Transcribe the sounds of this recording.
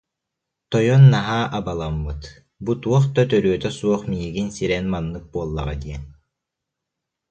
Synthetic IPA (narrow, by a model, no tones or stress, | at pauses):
t̪ɔjɔnːaɦaːʔabalˠamːɯt̪ | but̪uɔχt̪at̪œɾyœt̪œsuɔχmiɦiɡinsiɾɛnmanːɯk̚buɔlˠːa̰ʁa̰d̪iɛn